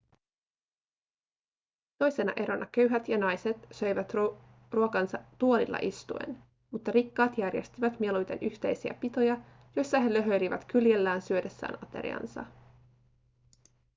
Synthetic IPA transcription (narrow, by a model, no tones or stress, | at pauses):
t̪o̞jse̞nɑ̰ʔe̞ɾo̞nʔɑkø̞ɥɦæt̪jɑnɑjse̞t̪sø̞jʋæt̪ | ruokɑnsɑːuo̞lilːɑ̰ʔist̪ṵḛn | mut̪ːɑɾikːɑːt̪jærje̞̰st̪iʋæt̪mie̞lujt̪e̞nʔyçt̪e̞jsiæ̰pit̪o̞jɑ | jo̞jsːɑɦe̞lø̞ɦø̞jliʋæt̪kylje̞lːæːnsyøde̞sːæ̰ːnɑt̪e̞̰ɾḭɑ̰nsɑ̰